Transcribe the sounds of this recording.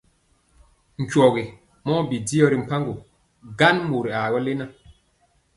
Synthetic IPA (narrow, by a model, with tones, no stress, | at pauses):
ŋ̩˨kɔ˨ɣi˨ | mɔː˦bi˨di˦ɔ˦ɾi˨m̩˨pa˦ŋɡo˨ | ɡa˦nmu˨ɾi˨a˨ɡɔ˦le˦na˦